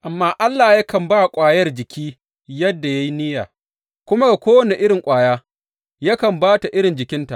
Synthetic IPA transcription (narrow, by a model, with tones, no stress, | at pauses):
ʔa˨mːaː˦ʔa˦lːaː˨ja˦kɐ˨mbaː˦kʷʼaː˨jɐ˦rd͡ʒɪ˨kʲiː˦ | jɐ˦dːa˨ja˦ji˦nɪ˦jaː˨ | kʷʊ˦ma˦ɡa˨kʷoː˦wɐ˦ne˨ʔɪ˦ɽɪ˨ŋkʷʼaː˨jaː˦ | ja˦kɐ˨mbaː˦ta˨ʔɪ˦ɽɪ˨nd͡ʒɪ˨kʲɪ˦nta˨ʔ